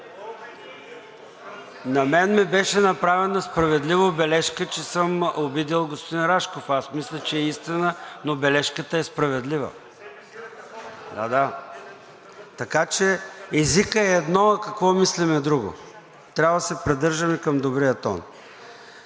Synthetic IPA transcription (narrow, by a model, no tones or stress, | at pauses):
nɐmɛnmibɛʃɛnɐpɾavɛnospɾɐvɛd̪livobɛlɛʃkət͡ʃɛsəmobid̪ilˠɡospod̪inɾaʃkofasmislʲət͡ʃɛːist̪inənobɛlɛʃkət̪əɛspɾɐvɛd̪livə̰ | d̪ad̪a | t̪ɐkat͡ʃɛɛzikəɛɛd̪nɔkɐkvɔmislimɛd̪ɾuɡo̰ | t̪ɾʲavvəd̪əsɛpɾid̪ɤɾʒəmikɐmd̪obɾiət̪ɔ̰n